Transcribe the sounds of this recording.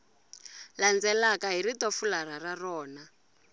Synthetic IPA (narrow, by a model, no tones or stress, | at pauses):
land͡zɛlakaɦiritɔfularararɔːna